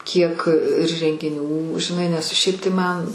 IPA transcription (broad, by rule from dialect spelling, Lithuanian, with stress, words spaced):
kʲiɛk ɪr rʲɛŋʲɡʲɪˈnʲuː ʒʲɪˈnɐɪ nʲɛs ˈʃʲɛɪp tɐɪ ˈmɐn